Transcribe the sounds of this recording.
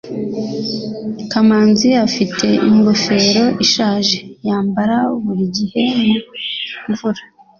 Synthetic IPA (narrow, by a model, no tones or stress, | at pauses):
kamaːnziafitʰe̞iŋɡo̞fe̞ɾo̞ʔiʃaːʒe̞jaːmbaɾaβuɾiɟihe̞nuɱvuɾa